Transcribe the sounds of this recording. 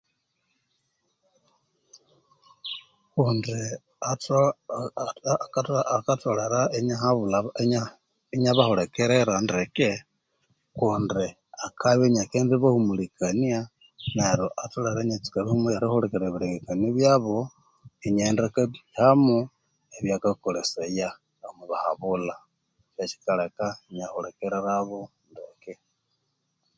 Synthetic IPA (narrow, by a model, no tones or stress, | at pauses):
kundi | at | kakatoleɾaeɲahaβulaɲa | eɲaβahoɾekeɾeɾandeke | kundi | akʰaβeɲakendiβahumulikania | neɾoʔatuleɾeɲet͡si̥kaβihumuaɾixoɾekeɾeβiɾeŋɡekaneβjaβo | iɲendekaβihamu | eβjakakoleseja | amuβahaβula | t͡ʃet͡ʃi̥kalekaiɲaholekeɾeɾaβo | ndḛke